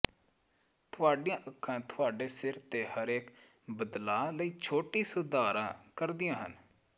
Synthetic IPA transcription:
t̪ʰʊaːɖijãːʔəkʰːãːt̪ʰʊaːɖeːsɪɾt̪eːhəɾeːk | bəd̪laːləiːt͡ʃʰoːʈiːsʊd̪aːɾã̰ːkəɾd̪ɪjãːɦə̰n

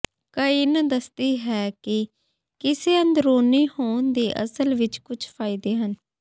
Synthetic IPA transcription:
kəind̪əst̪iːɦɛːkɪ | kɪseːə̃nd̪ɾoːniːhoːnd̪eːʔə̰səlʋɪt͡ʃkʊt͡ʃʰpʰaːɪd̪eːɦən

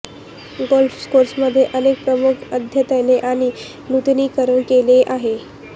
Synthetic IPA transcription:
ɡolfskoɾsməd̪ʱːjeʔənek̚pɾəmukʰəd̪ʱjət̪əjneʔaɽ̃i | nut̪niːkəɾəɳkeleʔaɦe

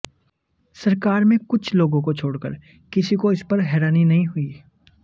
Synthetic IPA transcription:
sɐɾkaːɾmẽkʊt͡ʃʰloːɡõkot͡ʃʰoːɽkə̰ɾ | kɪsikoɪspɐɾɦɛːɾaːninɐɦĩɦʊiː

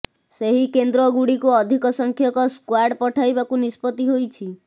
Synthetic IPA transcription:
seɦikend̪ɾɔɡuɽikuɔd̪ʱikɔsɔŋkʰjɔkɔskwaɖpɔʈʰajbakunispɔt̪iɦojt͡ʃʰi

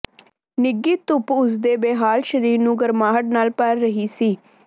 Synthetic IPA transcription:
nɪɡːiːt̪ʊpʊs̬d̪eːbeːɦaːlʃəɾiːɾnũːɡəɾmaːɦəʈ̚naːlpəɾːəɦiːsiː

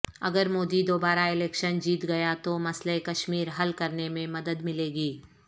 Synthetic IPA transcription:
ɐ̰ɡəɾmoːd̪id̪oːbaːɾaɪlɛːkʃənd͡ʒiːt̪ɡɐjat̪omɐslekɐʃmiːɾɦɐlkɐɾnemẽmɐd̪əd̪mɪleːɡiː

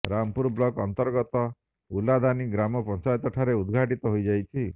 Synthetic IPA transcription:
ɾampuɾblɔkɔnt̪ɔɾɡɔt̪ɔ | ulad̪ʱaniɡɾamɔpɔnt͡ʃajɔt̪ɔʈʰaɾeud̪ɡʱaʈit̪ɔɦojd͡ʒajt͡ʃʰi

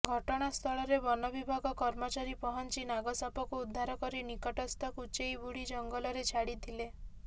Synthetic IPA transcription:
ɡʱɔʈɔɽ̃ast̪ʰɔɭɔɾebɔnɔbibʱaɡɔkɔɾmɔt͡ʃaɾipɔɦɔnt͡ʃinaɡɔsapɔkuud̪ʱːaɾɔkɔɾinikɔʈɔst̪ʰɔkut͡ʃejbuɽid͡ʒɔŋɡɔlɔɾet͡ʃʰaɽit̪ʰile

